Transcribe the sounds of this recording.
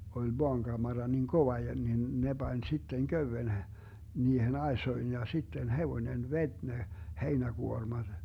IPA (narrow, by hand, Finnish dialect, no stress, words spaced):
olʲ moɑŋɡ̊ɑmɑrɑ niŋ koʋɑ jɑ nin ne b̥ɑnʲ sitːeŋ køywen h niːhen ɑesoin jɑ sitːen heʋonʲen ʋetʲ ne heinæɡ̊uormɑd̥